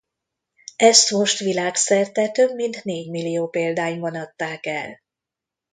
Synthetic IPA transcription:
ɛst̪mo̞ʃt̪ʋilaːksɛrt̪ɛt̪ø̞bmint̪neːɟmilːijoːpeːld̪aːjibɒnɒt̪ːaːkɛ̰l

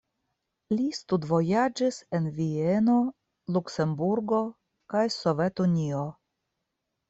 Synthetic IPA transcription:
list̪udvo̞jad͡ʒise̞nvieno̞ | lukse̞mbuɾɡo̞ | kajso̞ve̞tunʲio

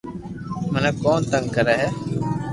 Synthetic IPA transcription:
mənəːkoːnt̪əŋɡkəɾɛːɦɛː

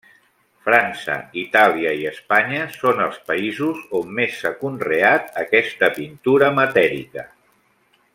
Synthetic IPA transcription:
fɾansə̰it̪alˠiəiəspaɲəsonəlˠspəizuzomːesːəkunreat̪əkɛst̪əpint̪uɾəmət̪ɛɾḭkə

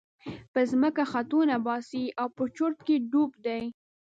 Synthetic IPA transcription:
pəzməkaxat̪unabɑsiawpət͡ʃoɾt̪̚keɖubd̪aj

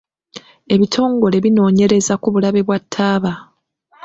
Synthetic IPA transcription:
e̞βitʰo̞ːŋɡo̞le̞βino̞ːɲe̞ɾe̞zakuβulaβe̞βwatʰːaːβa

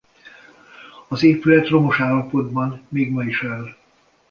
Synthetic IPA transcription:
ɒzeːpylɛt̪ro̞mo̞ʃaːlɒpo̞d̪bɒnmeːɡmɒiʃɛl

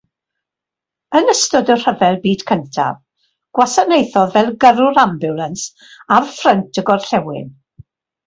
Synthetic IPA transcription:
ənəstɔdər̥əvɛlˠbiːd̥kʰəntʰa̰v | ɡ̥wasanejθɔðvɛlˠɡəɾʊɾambjʊlˠəns | arfrəntʰəɡɔrɬɛwɪ̰n

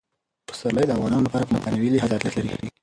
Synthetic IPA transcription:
pə̥saɾlajd̪əavɣɑnɑnolapɑɾapəmat̪anawiliɦad̪at̪lat̪laɾixɽi

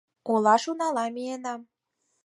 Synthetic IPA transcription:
kolɑʃunɑlɑmienɑm

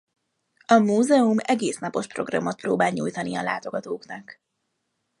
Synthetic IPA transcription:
ɒmuːzɛumɛɡeːsnɒpo̞ʃpro̞̰ɡrɒ̰mot̪̚proːbaːlɲuːjt̪ɒniɒla̰ːt̪o̞ɡɒt̪oːknɒk

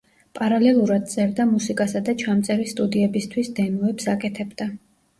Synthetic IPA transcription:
pʼaɾalɛlˠuɾad̪̚t̪sʼɛɾd̪amusikʼasad̪at͡ʃʰamt̪sʼɛɾist̪ʼud̪iɛbist̪ʰwisd̪ɛmɔɛpsakʼɛt̪ʰɛbd̪a

